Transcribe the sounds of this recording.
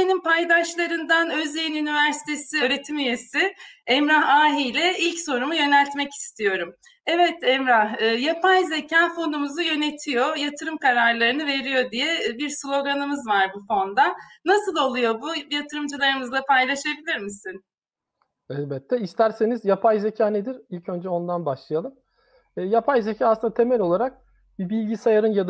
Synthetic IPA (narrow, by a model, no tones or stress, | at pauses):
enimpʰajd̪aʃlˠaɾɯnd̪anøzejinynivæɾsi̥t̪ʰesiøːɾe̞t̪ʰimyje̞sɪɛmɾahaːɦijlʲɛilʲcso̞ɾumujø̞nælʲt̪mɛci̥st̪ʰijo̞ɾum | ɛvɛt̪ɛmɾahɯːjapʰajze̞cʰaːfo̞numuzɯjø̞ne̞t̪ʰijo̞jat̪ʰɯɾɯmkaɾaɾlˠaɾɯnɯve̞ɾijo̞d̪ijɛbiɾslʲˠo̞ɡanɯmɯzvaɾbufo̞nd̪anasɯlˠo̞lˠujo̞bujat̪ʰɯɾɯmd͡ʒɯlˠaɾɯmɯzapʰajlˠaʃabilʲiɾmisin | ɛlbɛt̪ʰːɛist̪ʰæɾse̞nizjapʰajze̞cʰaːned̪iɾilʲcʰø̞nd͡ʒɛo̞nd̪anbaʃlˠijalˠɯmː | japʰajzecʰaːaslˠɯnd̪at̪ʰe̞mɛlʲo̞lˠaɾak̚ | bibilʲɟisajaɾɯnjad̪